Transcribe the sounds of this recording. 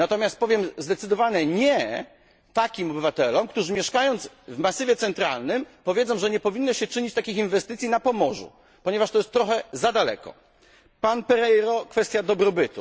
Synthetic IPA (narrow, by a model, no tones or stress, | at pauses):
nat̪ɔmʲjast̪̚pɔvʲjɛmzd̪ɛt̪sɘd̪ɔvaɲɛɲɛ | t̪akʲimɔbɘvat̪ɛlɔmk̚t̪uʐɘmʲjɛʂkajɔnd̪z | vmasɨvʲjɛt̪sɛnt̪ɾalnɘmpɔvʲjed̪zɔ̃w̃ʐɛɲɛpɔvʲinːɔɕɛt͡ʂɘɲit͡ɕt̪akʲixinvɛst̪ɘt̪sʲjinapɔmɔʐṵ | pɔɲɛvaʂt̪ɔjɛst̪ːɾɔxɛzad̪alɛ̰kɔ̰ | panpɛɾɛjɾɔkfɛst̪ʲjad̪ɔbɾɔbɘt̪ṵ